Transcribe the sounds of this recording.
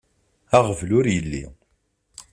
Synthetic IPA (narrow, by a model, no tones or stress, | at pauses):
aʁəvlʊɾjəlːḭ